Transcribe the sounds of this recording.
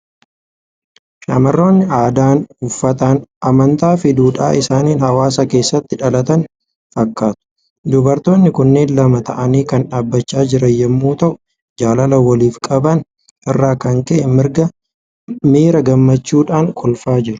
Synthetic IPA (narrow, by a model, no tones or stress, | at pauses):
ʃɐmɐrːo̞ːnːɪaːd̪aːnʊfːɐt̪aːnʔɐmɐnt̪aːfɪd̪uːᶑa̰ːɪsaːniːnhɐwaːs̬ɐke̞ːsːɐt̪ːɪᶑɐlɐt̪ɐn | fɐkːaːt̪ʊ̥ | d̪ʊbɐɾt̪o̞ːnːɪkʊnːe̞ːnlɐmɐt̪ɐʔɐniːkɐnᶑaːbːɐt͡ʃːaːd͡ʒɪɾɐjjɛmːuːt̪ɐʔʊ | d͡ʒaːlɐlɐwɐliːfkʼɐbɐn | ʔɪrːaːkɐŋkɛʔɛmɪɾɡɐ | miːɾɐɡɐmːɐt͡ʃːuːᶑaːŋkʰɔlfaːd͡ʒɪɾʊ̥